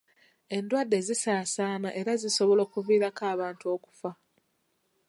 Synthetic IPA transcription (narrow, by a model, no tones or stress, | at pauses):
e̞ndwadːe̞zisaːsaːnaʔe̞ɾaziso̞βo̞lo̞ːkuviːɾakaːβaːntuo̞ːku̥fa